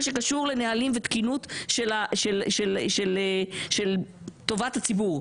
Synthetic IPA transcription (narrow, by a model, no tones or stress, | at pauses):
ʃe̞kaʃuʁle̞nealimvet̪kinutʃelaʃelʃelʃeleʃel | to̞vatat͡sibuʁ